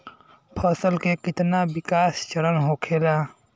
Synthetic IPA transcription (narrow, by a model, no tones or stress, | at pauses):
pʰəsəlkekɪt̪nabikast͡ʃəɾənɦokʰela